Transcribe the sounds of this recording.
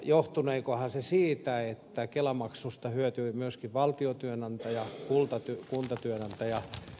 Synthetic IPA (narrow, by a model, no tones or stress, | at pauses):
joht̪uneikohɑsesiːt̪æet̪ːækelɑmɑksust̪ɑhyøt̪yːmyøskiʋʋɑlt̪iot̪yønɑnt̪ɑjɑkult̪ɑt̪ykunt̪ɑt̪yønɑnt̪ɑjɑ